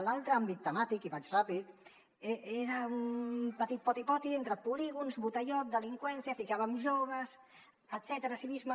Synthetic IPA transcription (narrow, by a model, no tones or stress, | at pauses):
lalˠt̪ɾəambit̪ːəmat̪ikiβat͡ʃrapit̪ | eeɾəumpət̪it̪̚pɔt̪ipɔt̪ient̪ɾəpuliɣunzβut̪əʎɔt̪̚d̪əliŋkwɛnsiafikaβamʒoβ̞əs | ət̪sɛt̪əɾasiβizmə